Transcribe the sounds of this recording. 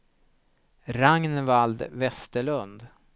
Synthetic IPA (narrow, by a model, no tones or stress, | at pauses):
ɾaŋnvald̪vɛst̪əɭɵnd̪